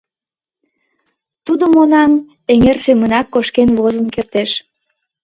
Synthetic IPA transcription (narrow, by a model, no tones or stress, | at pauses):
t̪ud̪omonɑn | eŋersemənɑkːoʃkenβozənkert̪eʃ